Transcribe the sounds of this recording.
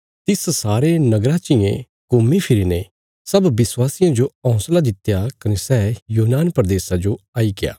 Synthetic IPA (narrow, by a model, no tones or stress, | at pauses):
t̪ɪssaːɾenɐɡɾaːt͡ʃɪjḛ̃ | kʊmːipʰɪɾine | sɐbːɪswaːsɪjãd͡ʒoɔ̃ʊ̃slad̪ɪt̪jakɐnesɛːjuːɦnaːnpɾd̪eːsad͡ʒoaːikɪja̰ː